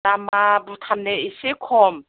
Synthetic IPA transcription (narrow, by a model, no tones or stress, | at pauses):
amabʊtʰamnɛɪsɪkʰɔːma